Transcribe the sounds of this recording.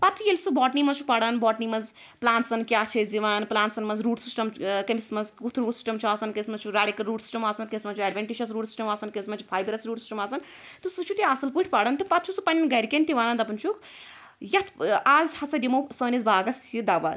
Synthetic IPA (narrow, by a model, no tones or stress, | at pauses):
pɐt̪ʰujelʲsubɔːʈnimɐzt͡ʃʰupɐɽɐnbɔːʈnimɐz | plaːnt̪sɐnkjaːt͡ʃʰɐzd̪iʋaːnnplaːnt̪sɐnmɐzɾuːɖsisʈɐmkɐnismɐzkut̪ʰɾuːɖsi̥sʈɐmt͡ʃʰuaːsɐnkɐsmɐzt͡ʃʰuɾaːɽikɐɾuːɖsi̥ʈɐmaːsɐnkɐnʲismɐt͡ʃʰuɛɖʋʲeɳʈiʃɐsɾuːɽsi̥sʈɐmaːsɐnkɐnʲismɐt͡ʃʰu̥pʰaːjbɾɐsɾuːɽsi̥sʈɐmaːsɐn | t̪ɨsɨt͡ʃʰut̪iasɐlpuʈʰʲpɐɽɐnt̪ɨpɐt̪̚t͡ʃʰusupɐnʲɐnɡɐɾʲkenʲt̪iʋaːnɐnd̪ɐpɐnt͡ʃʰuk | jɐt̪ʰaːzhɐsɐdʲimɐwsəːnʲizbaːɡɐsid̪aːʋa̰ːz